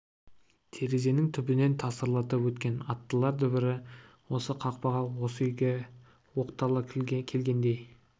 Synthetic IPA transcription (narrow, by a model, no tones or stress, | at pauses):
t̪ʰe̞ɾe̞ze̞nɪŋt̪ʰʏbɪne̞nt̪ʰɑsəɾlˠɑt̪əpwɵt̪kʲe̞nɑt̪ːəlˠɑɾd̪ʏbɪɾɪ | wo̞səqʰɑq̚pɑʁɑwo̞səʏjɡʲe | wo̞qt̪ɑlˠəkʲʰe̞lɡʲe̞nd̪e̞j